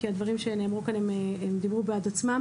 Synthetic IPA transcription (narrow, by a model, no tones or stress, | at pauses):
kiad̪vaʁimʃe̞nemʁukanememd̪ibʁubead̪at͡smam